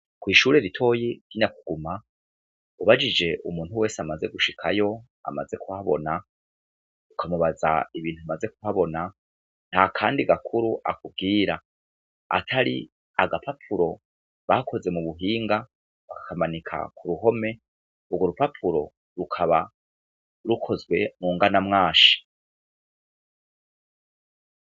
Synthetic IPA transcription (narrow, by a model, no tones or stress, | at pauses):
kwiːʃuːɾe̞ɾitʰo̞ːjiɡ̥iɲakuɡ̥uma | uβad͡ʒid͡ʒe̞ʔumuːn̥huwe̞ːseamaze̞ɡuʃikʰajo̞ | a̰maze̞kuhaβo̞̰na | ukʰamuβaza̰iβiːntuamaze̞kuhaβo̞na | n̥hakʰaːndiɡakʰuɾuʔa̰kub̚ɡiːɾa | a̰tʰaɾḭ | aɡapʰapʰuɾo̞ | βakʰo̞ze̞muβuɦiːŋɡa | βakḁkamanikʰa̰kʰuɾuɦo̞me̞ | ubɡoɾupapʰuɾo̞ | ɾukʰaβa | ɾukʰo̞zɡwe̞muːŋɡanamŋaːʃi̥